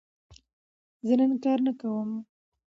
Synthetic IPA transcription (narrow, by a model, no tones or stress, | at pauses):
zənəŋkɑɾnakawəm